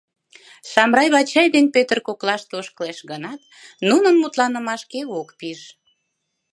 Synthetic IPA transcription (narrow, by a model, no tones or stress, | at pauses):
ʃɑmrɑjβɑt͡ɕɑjd̪enpøt̪ərkoklɑʃt̪oʃkəleʃɡənɑt̪ | nunənmut̪lɑnəmɑʃkeokpiʃ